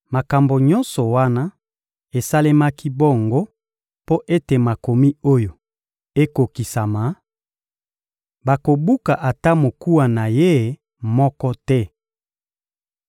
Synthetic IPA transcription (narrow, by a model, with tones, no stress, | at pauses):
ma˨ka˨mbo˨ɲɔ˦nsɔ˨wa˦na˦ | e˨sa˦le˦ma˦ki˦bo˦˨ŋɡo˦ | po˦ʔe˦te˨ma˨ko˨mi˦o˦jo˨ | e˦ko˨ki˨sa˨ma˨˦ | ba˨ko˨bu˦ka˨ʔa˨ta˦mo˨ku˦wa˨na˨je˦˨ | mɔ˦kɔ˦tɛ˦